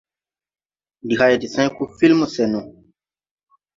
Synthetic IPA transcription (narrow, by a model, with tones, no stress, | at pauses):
di˨ha˧je˨di˨sã˦jku˦fi˦lmu˨sɛ˨nũ˨